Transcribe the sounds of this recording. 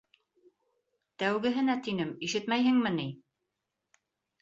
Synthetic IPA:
t̪æwɡɘ̆ɦɘ̆næt̪inɘmiʃɘt̪mæjhɘ̆ŋmɘni

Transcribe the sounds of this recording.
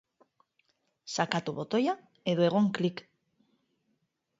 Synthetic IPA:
sakat̪uβot̪oja | eðweɣ̞oŋklik

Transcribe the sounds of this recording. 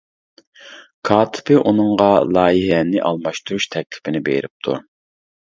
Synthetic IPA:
kʰɑːt̪ʰɪ̥pɪʔunɨŋʁɑlˠɑːjiɦɛnɪʔɑlˠmɑʃt̪ʰuɾuʃt̪ʰɛk̚ʲlʰɪ̥pɪnɪbḛjɾɪp̚t̪ʰṵɾ

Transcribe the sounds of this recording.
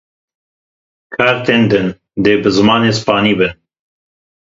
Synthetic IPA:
kʰɑːɾt̪eːnd̪ɨn | d̪eːbɨzɨmɑːneːspɑːniːbɨn

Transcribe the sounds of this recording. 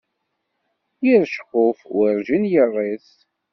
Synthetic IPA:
jiɾʃqʊfwəɾʒənjərˤːiθ

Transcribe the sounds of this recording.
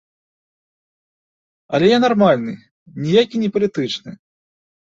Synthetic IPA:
ɐ̰lʲɛjanarmalʲnɨ̰ | nʲijakʲinʲɛpɐlʲit̪ɨt͡ʂnɨ̰

